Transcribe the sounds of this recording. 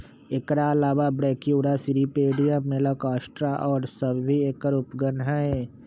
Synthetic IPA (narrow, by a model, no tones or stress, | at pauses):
ekɾalaːʋabɾeːkiuɽasiɾipeːɖijamelakaːsʈɾaʔɔːɾsəbbiekːəɾʊpɡənɦaeː